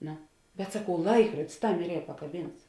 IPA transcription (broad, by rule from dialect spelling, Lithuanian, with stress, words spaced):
ˈnoː bʲɛt sɐˈkɐʊ ˈlˠɐɪkruɔdʲɪs ˈtɐm ɪr ˈiːrɐ pɐkɐˈbʲiːnts